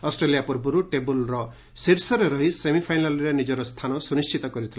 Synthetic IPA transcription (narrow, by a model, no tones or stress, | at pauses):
ɔsʈɾelijapuɾbuɾuʈebulɾɔ | siɾsɔɾeɾɔɦisemipʰajnalɾenid͡ʒɔɾɔst̪ʰanɔsunist͡ʃʰit̪ɔkɔɾit̪ʰila